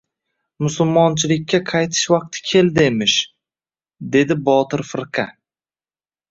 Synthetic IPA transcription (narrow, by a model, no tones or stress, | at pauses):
mʊsʊlˠmɒnt͡ʃʰɪlɪkʲːaqʰɑjt̪ʰɪ̥ʃvɑq̚t̪ʰɪ̥kʲʰe̞ld̪ɪemɪʃ | d̪e̞d̪ɪbɒt̪ɪɾfɪɾqʰɑ